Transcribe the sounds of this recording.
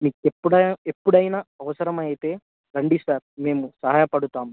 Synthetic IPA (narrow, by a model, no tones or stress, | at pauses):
miːkepːuɽɐepːuɽɐjnaɐʋɐsɐɾɐmɐjit̪e̞ː | ɾɐɳɖisaːɾme̞ːmusɐɦaːjɐpɐɽut̪aːm